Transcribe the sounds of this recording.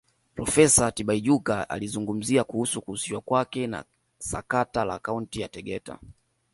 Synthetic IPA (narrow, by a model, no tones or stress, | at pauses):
pɾɔfɛsatiɓaiʄukaa̰lizuŋɡum̩ziakuhusukuusiwakwakɛna̰ | sa̰katala̰ːkauntijatɛɡɛta̰